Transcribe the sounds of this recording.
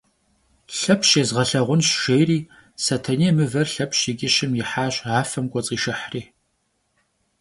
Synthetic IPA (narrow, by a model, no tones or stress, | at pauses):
ɬɐpʰɕeːzʁɐɬɐʁʷʊnɕʃejriː | sɐtʰɐniːmɨvɐrɬɐpʰɕiɡʲʼɪʃɪmjɪħaːɕaːfɐmkʷʼɔt͡sʼiːʃɐħriː